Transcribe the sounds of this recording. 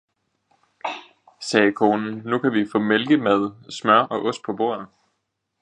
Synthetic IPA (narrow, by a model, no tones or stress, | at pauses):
sɛːkʰo̝ːnn̩nukʰæʋifɔ̰̽ːmelɡ̥əmæð̞ˠsmɶɐʔɒ̽ʔɔ̽sd̥̚pʰɒ̽b̥o̝ːɐ̰ð̩ˠ